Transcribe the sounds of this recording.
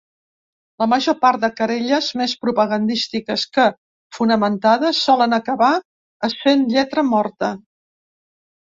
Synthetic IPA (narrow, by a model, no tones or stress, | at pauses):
ləməʒopaɾt̪̚d̪əkəɾeʎəzmespɾupəɣənd̪ist̪ikəskə | funəmənt̪aðəsːɔlənəkəβa | əsenʎɛt̪ɾəmɔɾt̪ə